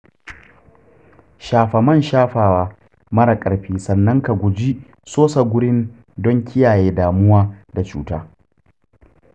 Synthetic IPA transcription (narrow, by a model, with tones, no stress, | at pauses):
ʃaː˨ɸɐ˨mɐ˦˨nʃaː˦ɸaː˨waː˦ | mɐ˦ɽɐ˨kʼɐ˨ɽɸiː˦sɐ˨nːɐ˦ŋka˨ɡʷʊ˨d͡ʒi˦ | soː˦sa˨ɡʷʊ˦ɽɪ˦n | dɔ˦ŋkʲʰɪ˦jaː˨jeː˦daː˨mʊ˦waː˦da˨t͡ʃṵː˦taː˦